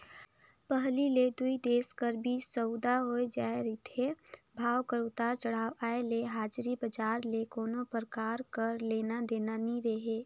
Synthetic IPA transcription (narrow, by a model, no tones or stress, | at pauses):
pəɦliled̪uid̪eːskəɾbʱisəʊd̪aɦoed͡ʒaːeɾit̪ʰebʱaːwkəɾʊt̪aːɾt͡ʃəɽ̤aːwʔaːeleɦaːd͡ʒɾibəd͡ʒaːɾlekoːnopəɾkaːɾkəɾleːnad̪eːnaniɾeɦeː